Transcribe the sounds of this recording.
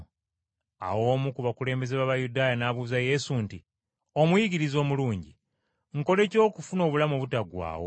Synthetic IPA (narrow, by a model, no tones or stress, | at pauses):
a̰wo̞ːmukuβakule̞ːmbe̞zeβaβajudaːjanaβuzaje̞sunti | o̞mujiɟiɾizo̞ːmuluːɲɟi | ŋ̩ko̞le̞co̞ːkufuno̞ːβulamoβutaɡwa̰ːwo̰